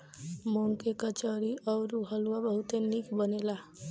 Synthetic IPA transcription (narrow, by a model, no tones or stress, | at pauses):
moŋkekət͡ʃəɾiɔɾuɦəlwabəɦut̪enikbənela